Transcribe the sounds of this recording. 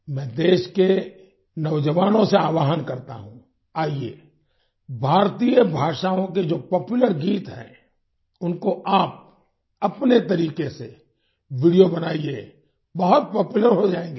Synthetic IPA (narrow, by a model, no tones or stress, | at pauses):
mɛ̃ːd̪eːʃke | nɐʋd͡ʒəʋaːnõseaːʋaːɦənkɐɾt̪a̰ɦṵ̃ | aːiḛː | bʱaːɾt̪ijəbʱaːʃaːõked͡ʒoːpɔːpjʊləɾɡiːt̪ɦɛ̰̃ː | ʊnkoʔaːp̚ | ɐpnet̪ɐɾiːkese | ʋɪɽijobɐnaːieː | bɐɦʊt̪̚pɔːpjʊləɾɦod͡ʒaːẽːŋɡeː